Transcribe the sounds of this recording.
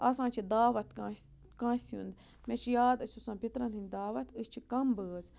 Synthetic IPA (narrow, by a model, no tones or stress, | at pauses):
ɐsãːt͡ʃʰid̪aːʋɐt̪kãs | kãːsṵnd̪ | mɛt͡ʃʰjaːd̪ɐsʲusãːpit̪ɾɐnhɨnʲd̪aːʋɐt̪ɨst͡ʃʰikɐmbəːz